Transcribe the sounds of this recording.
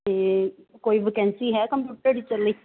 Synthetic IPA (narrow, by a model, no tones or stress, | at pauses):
eːkoːiːbɪkɛ̃ːnsiːɦɛːkəmpjuːʈəɾɖit͡ʃəlːiː